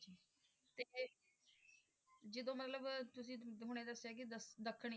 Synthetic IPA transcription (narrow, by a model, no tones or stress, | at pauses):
d͡ʒi | t̪eː | d͡ʒɪd̪õːmət̪ləbt̪ʊs̬ĩːɦʊɽ̃eːd̪əsɛːkɪd̪əsd̪əkʰːɳ